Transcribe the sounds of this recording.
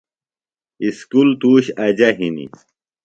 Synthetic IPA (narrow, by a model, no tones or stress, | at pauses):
iskult̪uːɕɐd͡ʑɐɦinḭ